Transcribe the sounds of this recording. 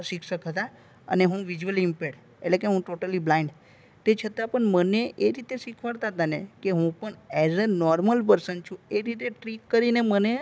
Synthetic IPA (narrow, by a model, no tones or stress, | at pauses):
ʃikʰʃəkɦət̪a | ə̰neɦũʋid͡ʒʋəlimpɛʈ | eʈlekeɦũʈoʈəliblaɪ̃ɳɖ | t̪et͡ʃʰət̪apəɳməneʔeɾit̪eʃikʰʋəɽt̪at̪anekeɦũpəɳɛzənɔɾməlpəɾsənt͡ʃʰũeɾit̪eʈɾikːəɾineməne